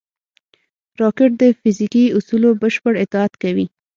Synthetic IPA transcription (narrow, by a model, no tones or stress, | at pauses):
ɾɑkɪʈ̚d̪əfɪzikiʊsulobəʃpəɽɪt̪ɪɑt̪kawi